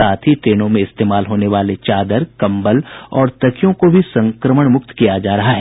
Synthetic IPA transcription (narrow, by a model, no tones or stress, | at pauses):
aːt̪ʰɦiʈ̪ɾeːñõmẽɪst̪eːmaːlɦoːneʋaːlet͡ʃaːd̪əɾkɐ̃mbəlɔːɾt̪ɐkʰijõkobʱisɐ̃ŋkɾəməɽ̃mʊk̚t̪kijad͡ʒaːɾɐɦaɦɛ